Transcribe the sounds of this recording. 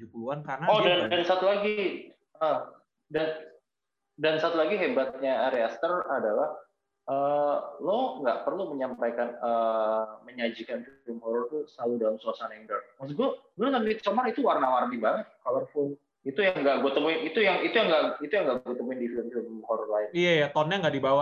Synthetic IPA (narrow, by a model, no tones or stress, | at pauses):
d͡ʒuankaaɔdandansat̪ulaɡi | ə | dan | dansat̪ulaɡiɦebat̪̚ɲaːɾeast̪əradalah | əloŋɡa̰ʔpərluməɲampajkanəməɲad͡ʒikanfilmhɔɾɔrt̪usəlaludalamsuasanɛŋdərmaksuɡuaɡuat̪amit̪somaɾit̪uwarnaward̪ibaŋət̪̚kalərfʊn | it̪ujaŋɡaʔɡuat̪əmuɪnit̪ujaŋit̪ujaŋɡaʔit̪ujaŋɡaʔɡɡuat̪əmuɪndifilmfilmhɔɾɔrlaɪnijajat̪ɔnɲaŋɡaʔdibawa